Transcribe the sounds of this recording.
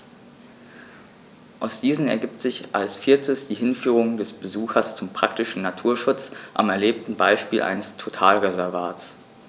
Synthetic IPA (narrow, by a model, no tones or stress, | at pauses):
ʔaʊsd̥iːzn̩ɛ̰ɐɡiːp̚tz̥ɪçʔa̰lsfiɐtʰəsd̥iːɦɪnfyːʁ̞ʊŋdɛsb̥əzuːxɐst͡sʊmpʁ̥ak̚tɪʃn̩natʰuːɐʃʊt͡sʔa̰mɛɐleːp̚tn̩baɪʃpiːlʔa̰ɪnəstʰotʰaːlʁezɛɐvaːt͡s